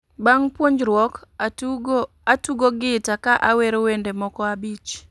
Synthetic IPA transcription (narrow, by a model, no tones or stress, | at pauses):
baŋpwoɲd͡ʒɾwɔk | atuɡoɡɪtakaʔaweɾowendemɔkɔabit͡ʃ